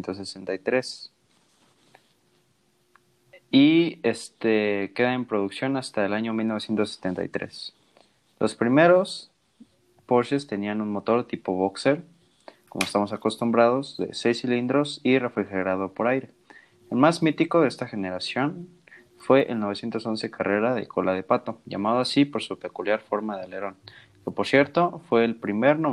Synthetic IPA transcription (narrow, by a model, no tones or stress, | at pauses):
nt̪osesent̪ajt̪ɾe̞s | iest̪eke̞ðaempɾo̞ðuksjo̞nast̪aelaɲo̞milnoesje̞nt̪oset̪e̞nt̪a̰jt̪ɾe̞̰s | lʔo̞spɾime̞ɾo̞s | po̞ɾʃest̪e̞nianũnmo̞t̪o̞ɾt̪ipo̞βokse̞ɾ | ko̞moest̪amo̞sako̞st̪umbɾað̞o̞zðe̞̰se̞jsilind̪ɾo̞sire̞fɾixeɾað̞o̞po̞ɾajɾe̞ | elmazmit̪iko̞ðeest̪axe̞ne̞ɾasjo̞n | fwe̞ʔḛlno̞βsje̞nt̪o̞so̞nse̞kare̞ɾaðe̞̰kʰo̞lað̞e̞pat̪o̞ʝa̰maðoasipo̞ɾsupe̞kuljaɾfo̞ɾmaðe̞le̞ɾo̞n | kepoɾsje̞ɾt̪o̞fwe̞ːlpɾime̞ɾno